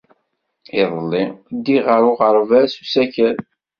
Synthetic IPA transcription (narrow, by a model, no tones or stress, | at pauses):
ɪðˤəlːid̪ːiʁəɾˤʊʁəɾˤvæsu̥sæçəɾ